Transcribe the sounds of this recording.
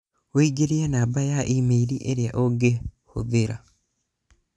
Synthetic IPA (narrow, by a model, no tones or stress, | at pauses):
oiɡeɾianabajaʔimeiɾiʔeɾeaʔoɡeho̰ðeɾa̰